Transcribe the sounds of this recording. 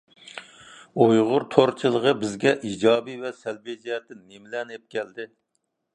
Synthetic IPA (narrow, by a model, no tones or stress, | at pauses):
ojʁʊɾt̪ʰoɾt͡ʃʰilˠəʁəbɪzɡʲɛʔid͡ʒɑːbivɛsælbid͡ʒæɾd̪ɪnːemlɛnep̚kʲɛld̪ɪ